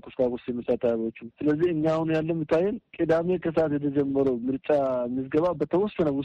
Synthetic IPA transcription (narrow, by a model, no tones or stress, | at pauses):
kʰʼust̪akʼusjɛmːɨsat̪ʰːajβot͡ʃːusɨləzːihɨɲːawunjalːəmːɨt̪ʰːajːɛnkʼid̪ame̞kʰəs̬at̪jɛt̪ʰəd͡ʒɛmːəɾowmɨɾt͡ʃʼamɨs̬ɡəβabət̪ʰəwɔsənəw